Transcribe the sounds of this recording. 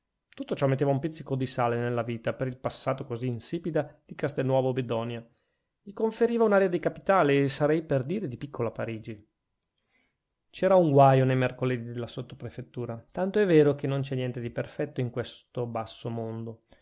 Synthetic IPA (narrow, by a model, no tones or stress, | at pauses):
t̪ut̪ːot͡ʃɔmet̪ːeːvaumpit̪sikod̪isaːlenelːaviːt̪apeɾilpasːaːt̪okoziːnsiːpid̪ad̪̥ikast̪enːwɔːvobed̪ɔnja | ʎikoɱfeɾiːvaunaːɾjad̪ikapi̥t̪aːleːsaɾɛjperd̪iːɾed̪ipikːolapaɾiːd͡ʒi | t͡ʃɛːɾauŋɡwajonejmerkoled̪id̪elːasot̪ːo̥pɾefet̪ːuːɾat̪ant̪oɛvːeːɾokenːont͡ʃɛnːjɛnt̪ed̪iperfɛt̪ːoiŋkwest̪obasːomond̪o